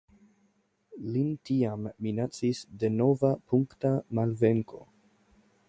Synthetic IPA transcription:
lintiamːinat͡sisde̞no̞vapʰuŋktamalve̞ŋko̞

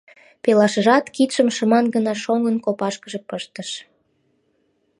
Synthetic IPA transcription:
pelɑʃəʒɑt̪kit̪ʃəmʃəmɑnɡənɑʃoŋənkopɑʃkəʒepəʃt̪əʃ

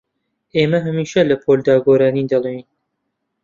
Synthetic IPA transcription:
eːmɐɦɐmiːʃɐlɐpʰold̪aːɡoɾaːnid̪ɐlˠen

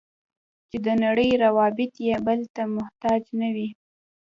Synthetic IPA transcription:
t͡ʃed̪ənaɽəjɾawɑbɪt̪jebəlt̪amʊht̪ɑd͡ʒnawi

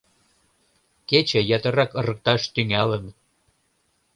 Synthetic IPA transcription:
ket͡ɕĕjɑt̪əɾɑkə̆rə̆k̚t̪ɑʃt̪yŋælən

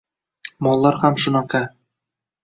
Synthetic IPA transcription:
mɒlˠːɑɾhæmʃunɑkɑ

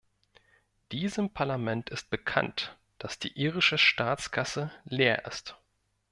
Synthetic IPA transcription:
d̥iːzəmpʰaɐlamɛntɪst̚b̥əkʰa̰nt | d̥asd̥ḭːʔiːʁɪʃəʃtaːt͡skʰasəleːɐʔɪ̰st

